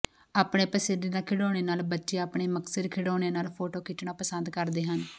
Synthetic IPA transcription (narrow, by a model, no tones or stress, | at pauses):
aːpɽeːpəsəd̪eːd̪aːkʰɪɽoːɽeːnaːlbətːʃejaːəpɳeːməksəd̪kʰɪɽoːɽ̃eːnaːlpʰoːʈoːkɪʈɳãːpəsənd̪kəɾd̪eːɦən